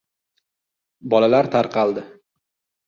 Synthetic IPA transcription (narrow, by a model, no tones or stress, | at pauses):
bɒlalaɾt̪ʰaɾqʰɑlˠd̪ɪ